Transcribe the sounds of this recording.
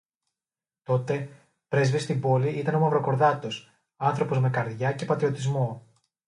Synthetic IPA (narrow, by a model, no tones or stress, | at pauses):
t̪o̞t̪e̞ | pɾe̞zvist̪imbo̞liit̪ɐno̞mɐvɾo̞ko̞ɾðɐt̪o̞s | ɐnθɾo̞po̞zme̞kɐɾðʝɐce̞pɐt̪ɾio̞t̪izmo̞